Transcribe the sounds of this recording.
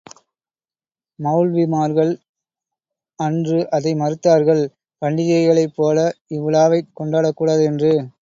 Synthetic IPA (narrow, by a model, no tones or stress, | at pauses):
mɐɭʋɪmaːɾɣɐɭ | ɐndrɯʔɐðɐɪmɐɾɯt̪ːaːɾɣɐɭ | pɐɳɖɪðɪɐɪɣɐɭɐɪpːoːlɐɪʋɪlaːʋɐɪkːɔɳɖaːɽɐkːuːɽaːðɛndrɯ